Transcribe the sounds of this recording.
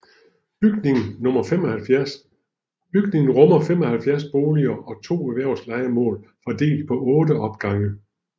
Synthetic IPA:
b̥yɡ̥ne̝ŋn̩nɔ̽mɐfem̰ɒ̽hælfjæɐs | b̥yɡ̥ne̝ŋn̩ʁɔmɐfem̰ɒ̽hælfjæɐsb̥o̝ːliɐːʔɒ̽t͡sʰo̝̰ːæʋæɐʊslɑ̈ɪɐmɔ̰̽ːlfɒd̥e̝̰ːld̥̚pʰɒ̽ʔɔ̽ːdəʔɒ̽b̥̚ɡ̥ɑ̈ŋə

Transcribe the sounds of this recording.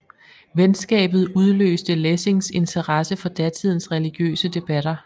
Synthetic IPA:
ʋensɡ̥ɛ̰ːb̥ð̞̩ˠuð̞ˠlø̰ːsd̥əlese̝ŋse̝nt͡sʰɐʁɑsəfɒ̽d̥æt͡sʰið̰ˠn̩sʁɛliɡ̥jø̰ːsəd̥e̝b̥æɾ̥ɐ

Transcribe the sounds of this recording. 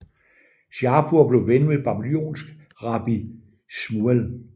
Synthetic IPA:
ɕjɑ̈ːb̥ʰuɐ̰b̥le̝ʊʋenəʋeb̥ɑ̈b̥iljo̝̰ːnsɡ̥ | ʁɑ̈b̥i | smuel

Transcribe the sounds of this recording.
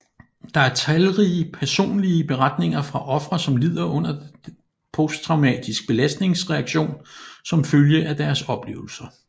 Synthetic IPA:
d̥ɑ̈æɐt͡sʰælʁiəpʰæɐso̝̰ːnliəb̥e̝ʁad̥ne̝ŋɐfʁɑ̈ʔɒ̽fʁɐsɒ̽mlið̞̰ˠɐɔ̽n̰ɐ̥ | pʰost͡sʰʁɑ̈ʊmɛ̰ːd̥isɡ̥̚b̥e̝læsd̥ne̝ŋsʁɛɑ̈ɡ̥ɕo̝̰ːnsɒ̽mføljəʔæd̥æɐsɒ̽b̥le̝̰ːʊl̩sɐ

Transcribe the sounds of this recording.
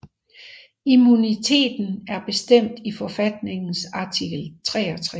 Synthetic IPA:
imunit͡sʰe̝̰ːd̥n̩æɐb̥e̝sd̥em̰d̥ifɒ̽fæd̥ne̝ŋn̩sɑ̈t͡sʰiɡ̥l̩t͡sʰʁɛ̰ːɒ̽t͡sʰʁɛ

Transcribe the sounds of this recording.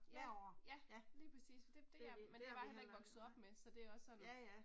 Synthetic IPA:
jæjæliːpʰʁɛsḭːsfɒd̥e̝d̥e̝æmend̥e̝ʋɑ̈hel̰ɐe̝ɡ̥ʋɒ̽ɡ̥sð̩ˠɒ̽b̥mesɒ̽d̥e̝æɒ̽sːɒ̽n

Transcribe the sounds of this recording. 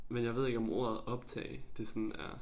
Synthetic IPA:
menjɑ̈ɪʋe̝ð̞̰ˠeɡ̥ɒ̽mo̝̰ɐ̰ð̩ˠɒ̽b̥t͡sʰɛ̰ːɪd̥e̝sɒnæɐ

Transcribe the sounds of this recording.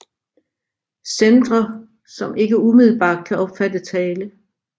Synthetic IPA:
send̥ʁɐ | sɒ̽mʔe̝ɡ̥əumiðˠl̩b̥ɑ̰̈ːd̥̚kʰæɒ̽b̥fæd̥ət͡sʰɛːlə

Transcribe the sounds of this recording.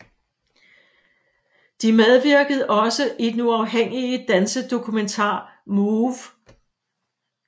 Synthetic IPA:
d̥imeð̞ˠʋiɐɡ̥əð̞̩ˠʔɒ̽səʔid̥en̩uɑ̈ʊɦeŋ̰iəd̥ænsəd̥o̝kʰument͡sʰɑ̰̈ːmuʋ

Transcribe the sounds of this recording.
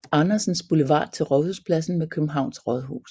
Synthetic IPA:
ɑ̈nɐsn̩sb̥uleʋɑ̰̈ːt͡sʰe̝lʁɒðˠhuspʰlæsn̩mekʰøb̥m̩ɦɑ̈ʊ̰nsʁɒðˠɦṵːs

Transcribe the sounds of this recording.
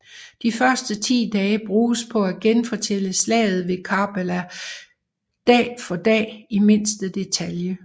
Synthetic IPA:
d̥ifɶɐsd̥ət͡sʰḭːd̥ɛːb̥ʁuːspʰɒ̽æɡ̥enfɒ̽t͡sʰel̰əslɛ̰ːɪð̞̩ˠʋe̝kʰɑb̥elæ | d̥ɛ̰ːfɒ̽d̥ɛ̰ːime̝n̰sd̥əd̥e̝t͡sʰæljə

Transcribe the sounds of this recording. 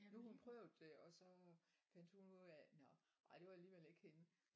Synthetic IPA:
nuhunpʰʁœʊd̥eɒ̽sɒ̽fæn̰d̥hunuð̰ˠænɒ | ʔɑ̈ɪd̥e̝ʋɑ̈æliːʋele̝ɡ̥he̝nə

